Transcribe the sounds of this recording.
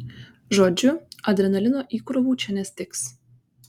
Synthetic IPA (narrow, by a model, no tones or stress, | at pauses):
ʒoːd͡ʒʲʊɐd̪ʲɾʲɛnɐlʲɪnoːʔiːkɾɔʋuːt͡ʃʲɛnʲɛsʲt̪ʲɪks